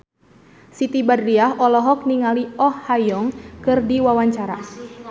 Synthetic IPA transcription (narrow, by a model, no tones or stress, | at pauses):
sit̪ibadɾiaɦʔɔlɔɦɔk̚niŋaliɔhːajɔŋkɨrdiwawaɲt͡ʃaɾa